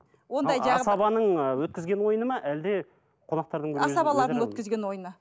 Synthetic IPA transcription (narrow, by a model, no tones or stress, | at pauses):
wo̞nd̪ɑjʒɑʁsɑbɑnəɴəwɵt̪̚kʲɪzɡʲe̞nwo̞jənəmɑʔæld̪e̞ | qʰonɑq̚t̪ɑɾd̪əɴbɵɑsɑbɑlˠɑɾd̪ɵt̪̚kʲɪzɡʲe̞nwo̞jnə